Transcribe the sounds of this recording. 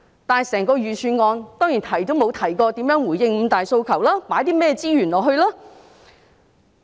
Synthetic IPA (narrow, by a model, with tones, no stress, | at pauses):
t̪aː˨˩sɛː˨˩ŋkɔː˧ɥyː˨syː˨˧nŋɔː˧nt̪ɔː˥ŋjiː˨˩nt̪ʰɐ˨˩jt̪o˥wmo˨˧wt̪ʰɐ˨˩jkɔː˧t̪i˨˥mjœː˨˥ŋwuː˨˩jɪ˧ŋm̩ː˨˧t̪aː˨jso˧wkʰɐ˨˩wlaː˥paː˨˥jt̪iː˥mɛː˥t͡siː˥jyː˨˩nlɔː˨ɦhɵ˧ɥlaː˥